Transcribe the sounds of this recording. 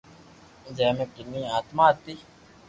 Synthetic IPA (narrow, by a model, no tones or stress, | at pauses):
d͡ʒeːmẽkɪnːĩːaːt̪mãːt̪ːi